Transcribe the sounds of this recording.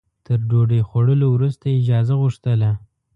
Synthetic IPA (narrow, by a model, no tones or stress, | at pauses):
t̪əɾɖoɖexaɽəlowɾust̪aɪd͡ʒɑzaɣʊʂt̪əla